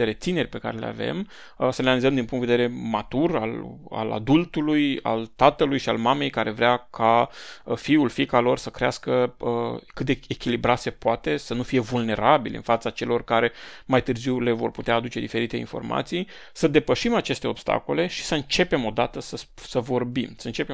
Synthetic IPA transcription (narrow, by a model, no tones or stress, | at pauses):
eɾe̞t̪sine̞rʲpe̞ka̰ɾe̞lea̰ve̞̰m | səlenalizəmd̪inpuŋt̪ved̪eɾe̞mat̪ura̰la̰la̰d̪ult̪uluja̰lt̪at̪əlujʃialmame̞jkaɾʔe̞vɾeakʰafiulfikalo̞rsəkɾeaskəəkɨt̪̚d̪eekʲilibɾat̪se̞poat̪e̞sənufije̞vulne̞ɾabilɨ̰nfat̪sat͡ʃe̞lo̞rkaɾe̞majt̪ɨrziwle̞vo̞rput̪eaːd̪ut͡ʃe̞d̪ife̞ɾit̪e̞ḭnfo̞̰rmʔa̰t̪sij | səd̪e̞pəʃimat͡ʃe̞st̪e̞o̞b̥st̪a̰ko̞le̞ʃi̥səɨnt͡ʃe̞pe̞mo̞d̪at̪əsəsəvo̞rbimsəɨnt͡ʃe̞pe